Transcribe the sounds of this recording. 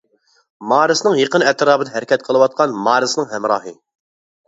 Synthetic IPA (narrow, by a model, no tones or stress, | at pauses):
mɑːɾɨsɨnɨŋjeqənɛt̪ɾɑːbɨd̪ɛɦɛɾɪkʲʰɛt̪̚qʰəlˠɨwɑt̪̚qʰɑnmɑːɾɨsɨnɨŋhɛmɾɑːɦɨ